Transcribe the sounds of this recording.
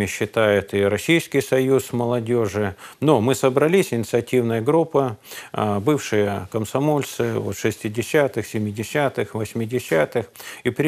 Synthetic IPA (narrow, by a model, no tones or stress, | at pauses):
ɪɕːɪt̪ajʊt̪iɾɐsʲijskʲɪjsɐjusməlˠɐdʲoʐɨnomɨsəbɾɐlʲisʲɪnʲɪt̪sɨɐtʲivnəjəɡɾupːə | bɨfʂɨjəkəmsɐmo̞lʲt̪sɨvot̪ʂɨsʲtʲɪdʲɪsʲat̪ɨxsʲɪmʲɪdʲɪsʲat̪ɨxvəsʲmʲɪdʲɪsʲat̪ɨxipɾʲɪ